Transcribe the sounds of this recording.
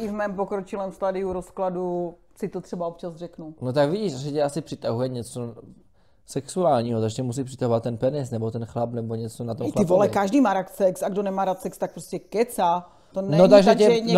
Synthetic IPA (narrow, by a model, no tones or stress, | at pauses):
ɪvmɛːmpokɾot͡ʃɪlɛːmst̪adɪuɾoskladu | sɪt̪ot̪r̥ɛbaop̚t͡ʃazrɛknunot̪akviɟiːʃasɛcɛasɪpr̥ɪt̪aɦujɛɲɛt͡so | sɛksuaːlɲiːɦot̪aɡʒɛcɛmus̬iːprɪ̥t̪aɦovat̪ːɛnpɛnɛsnɛbot̪ɛnxlapnɛboɲɛt͡sonat̪omlɪvolɛkaʒdiːmaːɾak̪sɛksaɡdonɛmaːɾat̪sɛkst̪ak̚pɾoscɛkɛt͡sa | t̪onɛnot̪aɡʒɛɛɛɲɛ